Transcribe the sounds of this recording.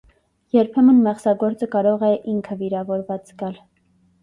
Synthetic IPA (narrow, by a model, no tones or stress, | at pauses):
jɛɾpʰɛmənmɛχsɑɡɔɾt͡səkɑɾɔʁɛʔiŋkʰəviɾɑvɔɾvɑt͡sɡɑl